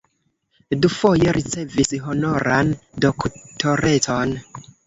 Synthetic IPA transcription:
dufo̞jeɾʔit͡se̞visɦo̞no̞ɾandoktʰo̞ɾe̞ton

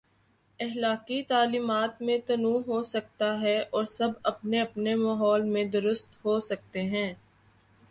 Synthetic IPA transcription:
ɛɦlaːkit̪aːliːmaːt̪mẽt̪ɐnũːɦosɐk̚t̪aɦɛʔɔːɾsɐbɐpneɐpnemaːɦɔːlmẽd̪ʊɾʊst̪ɦosɐk̚t̪eɦɛ̃ː

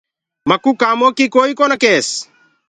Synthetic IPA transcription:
makukamokikoikɔnakes

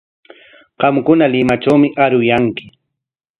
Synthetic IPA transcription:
ɢ̥ɑmkʊnalɪmaʈ͡ʂawmɪʔaɾʊjaŋkɪ̥

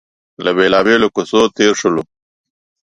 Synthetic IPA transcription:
lɐbeːlaːbeːlokusot̪eːɾʂulu

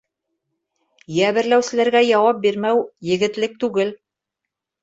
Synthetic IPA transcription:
jæβɘ̆ɾlæwsɘ̆læɾɡæjɑwɑp̚biɾmæwjɘ̆ɡɘ̆t̪lɘk̚t̪ʉɡɘl

